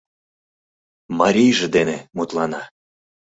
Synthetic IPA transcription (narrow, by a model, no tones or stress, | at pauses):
mɑɾʲijʒĕd̪enemut̪lɑnɑ